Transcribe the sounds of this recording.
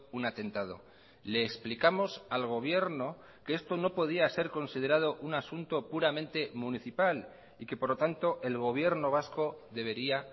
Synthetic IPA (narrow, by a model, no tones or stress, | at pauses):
unat̪e̞nt̪að̞o̞̰ | le̞ːksplikamo̞salɣ̞o̞β̞je̞ɾno̞ | keest̪o̞no̞po̞ð̞iase̞ɾko̞nsið̞e̞ɾað̞o̞ʔunasunt̪o̞puɾamẽ̞nt̪e̞muniθipal | ike̞po̞ɾlot̪ant̪o̞ʔe̞lɣ̞o̞β̞je̞ɾno̞β̞asko̞ðe̞β̞e̞ɾia